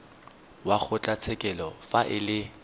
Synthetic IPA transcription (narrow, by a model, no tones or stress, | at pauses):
waχʊt͡ɬʼat͡sʰɛkʼɛlɔfaʔɪlɪ